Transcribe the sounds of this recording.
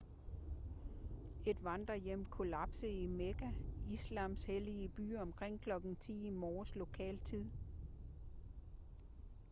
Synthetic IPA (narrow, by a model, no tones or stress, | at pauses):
e̝d̥ʋɑnd̥ʁɐjem̰kʰo̝læb̥səimeɡ̥æislɑ̈msheliəb̥y̰ːɒ̽mkʰʁeŋ̰kʰlɒ̽ɡ̥n̩t͡sʰḭːimɒːslo̝kʰɛ̰ːlt͡sʰið̰ˠ